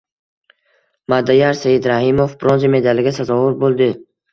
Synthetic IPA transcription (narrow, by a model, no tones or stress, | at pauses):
mad̪ajaɾsajɪd̪ɾahɪmofbɾɒnzimed̪alɪɡʲasazɒvʊɾbolˠd̪ɪ